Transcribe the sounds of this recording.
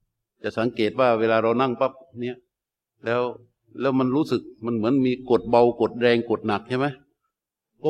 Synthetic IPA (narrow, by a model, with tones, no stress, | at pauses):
t͡ɕa˨˩ʔsa˩˦ŋkeː˨˩t̪̚waː˥˩weː˧laː˧ɾa˧wna˥˩ŋpa˦˥p̚ni˦˥˩ɐʔ | lɛː˦˥w | lɛː˦˥wma˧nɾuː˦˥sɯ˨˩k̚ma˧nmɯ˩˦ənmiː˧ko˨˩t̪̚ba˧wko˨˩t̪̚ɾɛː˧ŋko˨˩t̪̚na˨˩k̚t͡ɕʰa˥˩ma˦˥j | kɔ˥˩